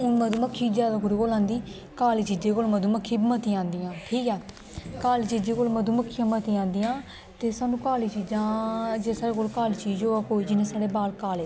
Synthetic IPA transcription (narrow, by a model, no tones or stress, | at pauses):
ʊnməd̪uːməkʰːiːd͡ʒjaːd̪aːkʊɾiːkoːlãːnd̪iː | kaːliːt͡ʃiːd͡ʒeːkoːlməd̪uːməkʰːiːbmət̪iːãːnd̪ijãːʈʰiːkɛː | kaːliːt͡ʃiːd͡ʒeːkoːlməd̪uːməkʰːijãːmət̪iːãːnd̪ijãː | t̪eːsaːnũːkaːliːt͡ʃiːd͡ʒãːd͡ʒeːsaːɽeːk̬oːlkaːliːt͡ʃiːd͡ʒoːaːkoːiːd͡ʒɪnẽːsaːɽeːbaːlkaːleː